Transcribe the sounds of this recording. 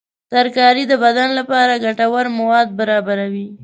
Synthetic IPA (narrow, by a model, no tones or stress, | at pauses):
saɾkɑɾid̪əbad̪anlapɑɾaɡaʈawaɾmawɑd̪̚baɾɑbaɾawi